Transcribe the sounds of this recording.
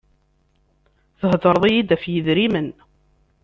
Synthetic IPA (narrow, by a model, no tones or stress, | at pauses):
θəɦd̪əɾˤðˤijid̪æfjəðɾimən